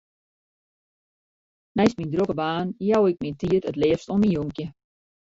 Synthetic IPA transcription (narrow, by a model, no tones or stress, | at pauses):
nɛjsmindrokəbaːnjawɪk̚mintiətətlɪːəfstɔminjoŋkjə